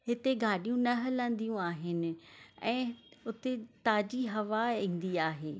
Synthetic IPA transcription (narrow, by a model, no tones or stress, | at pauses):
ɦɪt̪eɡaːɗijũnɐɦɐlə̃n̆d̪ijũaːɦɪnɪ̆ɛ̃ːʊt̪et̪aːd͡ʑiɦɐʋaĩːn̆d̪iaːɦeː